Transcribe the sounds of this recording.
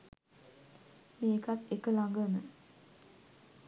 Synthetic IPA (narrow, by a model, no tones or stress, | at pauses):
meːkat̪ekəlaŋɡənə